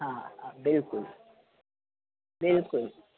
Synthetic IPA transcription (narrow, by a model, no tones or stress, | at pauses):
ɦãhãbɪlkʊl | bɪlkʊl